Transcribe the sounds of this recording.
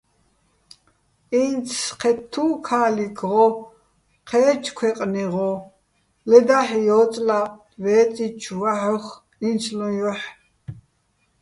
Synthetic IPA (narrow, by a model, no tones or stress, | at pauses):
int͡sʰqʰɛt̪ʰːuːkʰaːlikʰʁɔ | qʰɛːt͡ʃʰkʰwɛqʼniʁɔ | lɛd̪aħjɔːt͡sʼla | vɛːt͡sʼit͡ʃʰwaħəχ | insʰlɔ̃jɔħ